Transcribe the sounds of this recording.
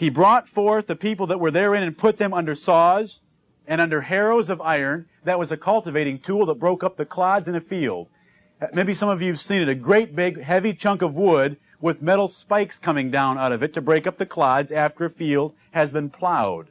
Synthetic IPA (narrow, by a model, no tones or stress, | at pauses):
ibɹɔtfɔɹθðɨpʰipl̩ˠðət̚wə˞ðə˞ɪ̃ñɨ̃npʰʊt̪̚ðɨ̃mʌ̃ndə˞sɔz | ɨ̃ɾ̃ʌ̃ndə˞hɛɹoʊzʌvaɪə̃˞n | ðɨt̚wʌzɨkʰʌlˠtɨveɪɾɪ̃ŋtʰulˠðət̚b̥ɹoʊkʌp̚ðɨkʰl̥adzɨ̃nɨfilˠd̥̚ | meɪbisʌ̃mʌvjʉv̥sĩnɨɾɨɡɹeɪt̚b̥ɪɡɦɛvit͡ʃʰʌ̃ŋkʌvwʊd̚ | wɪðmɛɾl̩ˠspaɪkskʰʌmɪ̃ŋdãʊ̃ñaʊɾʌvɨtʰɨbɹeɪkʌp̚ðɨkʰl̥adzæftə˞ɨfilˠd̥̚ | ɨzbɨ̃npʰl̥aʊd̥